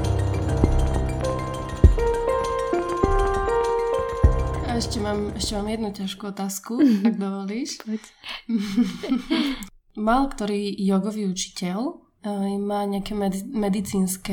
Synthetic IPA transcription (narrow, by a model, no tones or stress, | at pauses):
aɛʃcɛmaːmɛʃcɛmaːmjɛd̪nucaʃkuɔt̪aːskuaɡ̚d̪ɔʋɔliːʃ | malkt̪ɔɾiːjɔɡɔʋiːut͡ʃi̥cɛl | mːaːɲɛakɛmɛmɛd̪it͡siːnskɛ